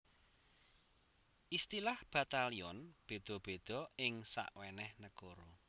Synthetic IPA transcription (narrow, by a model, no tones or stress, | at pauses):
ʔist̪ilahb̥at̪aliɔnb̥e̤d̪̥ɔ̤b̥e̤d̪̥ɔ̤ɪŋsa̰ʔwenɛhnəkoɾo